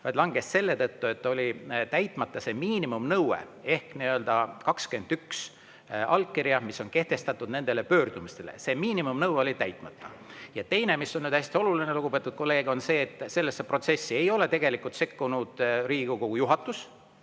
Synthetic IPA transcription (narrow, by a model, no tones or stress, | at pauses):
vɑjt̪lɑŋɡ̥e̞sse̞lːe̞t̪ɤt̪ːue̞t̪ːˑo̞lʲit̪æjt̪ˑmɑt̪ːɑse̞miːnimumnɤwḛe̞hkniø̞ld̪̥ɑkɑkskyend̪yks | ɑlkːiɾiɑmisːo̞nke̞ht̪e̞st̪ɑt̪ːˑud̪ne̞nd̪̥e̞lepø̞ːrd̪̥umist̪e̞lḛse̞miːnimumnɤweo̞lʲit̪æjt̪ˑmɑt̪ˑːɑjɑt̪e̞jne̞miso̞nnyːd̪̥æsʲt̪io̞lulineluɡ̥upe̞t̪ːˑud̪̥̚ko̞lːe̞ːɡo̞nse̞ːt̪ːˑse̞lːesːepro̞t̪se̞sːie̞jo̞le̞t̪e̞ɡ̥elikːˑult̪se̞kːunud̪̥ɾiːɡ̥ukoujuɦɑt̪ːˑus